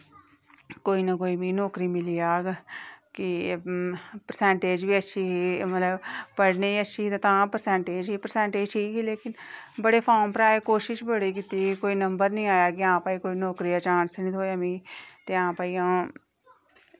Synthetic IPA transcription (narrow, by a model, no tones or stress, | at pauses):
koːiːnəkoːiːmĩːnɔːkɾiːmɪliːaːɡkɪ | pəɾsɛ̃ːɳʈeːd͡ʒʋiːətːʃʰiːimət̪ləbpəɽneːiːətːʃʰiːt̪et̪ãːpəɾsɛ̃ːɳʈeːd͡ʒɦiːpəɾsɛ̃ːɳʈeːd͡ʒʈʰiːkileːkɪnbəɽeːpʰaːmpəɾaːeːkoːʃɪʃbəɽiːkɪt̪iːkoːiːnəmbəɾnĩːaːjaːkɪãːpaːiːkoːinɔːkɾiːaːt͡ʃãːnsnĩt̪ʰoːjamĩːt̪eːãːpaːiːãː